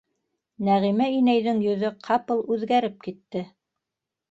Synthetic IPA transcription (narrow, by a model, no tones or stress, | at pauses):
næʁimæinæjðɘŋjɵ̆ðɵqʰɑpɤlˠʉðɡæɾɘp̚kit̪ːɘ